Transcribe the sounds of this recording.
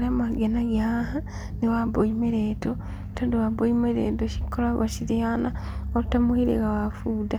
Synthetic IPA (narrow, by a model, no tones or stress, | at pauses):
ɾamaɡenaɣaha | newaβoimeɾeto | tondowaβoimeɾḛːtoʃi̥kolaβa̰ʃiɾeanaotamohiɾḛɣawafuːda